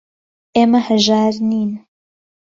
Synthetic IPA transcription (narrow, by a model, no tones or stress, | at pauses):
ʔeːmɐhəʒaːɾniːn